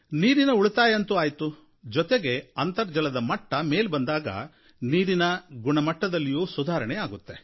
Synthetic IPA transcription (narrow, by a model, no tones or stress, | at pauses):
niːɾinɐuɭt̪aːjeɐnt̪uaːjt̪u | d͡ʒɔt̪eɡe̞ɐnt̪ɐɾd͡ʒɐlɐd̪ɐmɐʈːɐme̞ːlbɐnd̪aːɡɐ̰ | niːɾinɐɡuɳɐmɐʈːɐd̪ɐlːijuːsud̪ʱaːɾɐɳɛaːɡut̪ːe̞